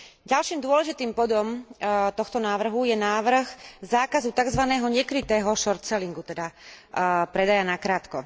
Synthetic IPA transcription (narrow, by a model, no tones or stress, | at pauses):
ɟalʃiːmd̪ʊɔlɛʒit̪iːmbɔd̪ɔmt̪ɔxt̪ɔnaːʋr̩ɦujɛnaːʋr̩ɣzaːkazut̪aɡzʋanɛːɦɔɲɛkɾit̪ɛːɦɔʃɔɾt̪sɛliŋɡut̪ɛd̪a | pɾɛd̪ajanakɾaːt̪kɔ